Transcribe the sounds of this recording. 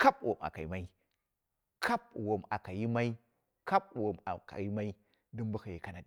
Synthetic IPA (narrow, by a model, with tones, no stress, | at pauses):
ka˦p̚wʔo˨ma̰˨ka˨ḭ˨ma˦i˦ | kʰa˦p̚wo˨ma̰˨ka˨ji˦ma˦i˦ | ka˦p̚wo˨ma̰˨ka̰˨ji˦ma˦i˦ | di˦mbu˦xa˨ji˨ka˨na˨d